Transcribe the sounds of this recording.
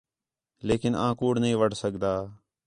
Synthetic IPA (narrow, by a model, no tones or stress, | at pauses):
leːkɪnãːkuːɽnəɦĩːʋəɽ̤səkd̪aː